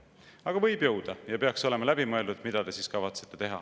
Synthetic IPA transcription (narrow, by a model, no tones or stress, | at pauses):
ɑɡ̥ɑvɤjb̥jɤwd̪̥ɑjɑpeɑkso̞le̞mɑlæbimɤeld̪ud̪̥mid̪ɑt̪e̞siskɑvɑt̪se̞̥t̪ːet̪e̞ɦɑ̰